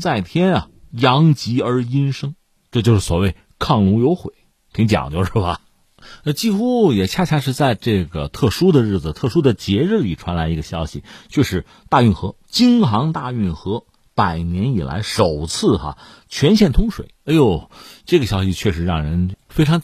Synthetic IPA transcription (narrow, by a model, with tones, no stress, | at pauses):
t͡sa˥˩ɪt̪ʰjɛ˥nɐ˨ | jɑ˧˥ŋt͡ɕi˧˥ə˞˧˥i˥nʂɤ˥ŋ | ʈ͡ʂɤ˥˧t͡ɕo˥˧ʊʂɻ̩˥˩swɔ˨˩we˥˧ɪ | kʰɑ˥˩ŋlu˧˥jo˧˥ʊxwe˨˩˦ɪ | t̪ʰi˧˥ŋt͡ɕjɑ̰˨˩˦ŋt͡ɕjo˥˧ʊʂɻ̩˥˩bɐ˨˩˧ | t͡ɕi˥xu˥jɛ˨˩t͡ɕʰja˥˧t͡ɕʰja˥˧ʂ̬ɻ̩˥˧t͡sa˥˧ɪʈ͡ʂɤ˥˩ɡə˩t̪ʰɤ˥˩ʂu˥d̪ə˨ɻ̩˥˩d͡zɹ̩˩t̪ʰɤ˥˩ʂu˥d̪ə˨t͡ɕjɛ˧˥ɻ̩˥˩li˨˩ʈ͡ʂʰwa˧˥nla˧˥ɪi˧˥ɡə˧˩ɕjɑ˥ʊɕḭ˨˩t͡ɕjɛ˥˧ʂɻ̩˧˥˩ | t̪a˥˧y˥˩nxɤ˧˥ | t͡ɕi˥ŋxɑ˧˥ŋt̪a˥˧y˥˩nxɤ˧˥ | pa˨˩ɪnjɛ˧˥ni˨˩la̰˧˥ɪʂo˨˩ʊt͡sʰɹ̩˥˩xɐ̰˧˩ | t͡ɕʰɥɛ˧˥nɕ̬jɛ˥˩nt̪ʰʊ˥ŋʂwḛ˨˩ɪa˧˥jo˧˩ʊʈ͡ʂɤ˥˩ɡə˩ɕjɑ˥ʊɕi˨t͡ɕʰɥɛ˥˩ʂɻ̩˧˥ɻɑ˥˩ŋɻə˧˥nfe˥ɪʈ͡ʂʰɑ˧˥ŋ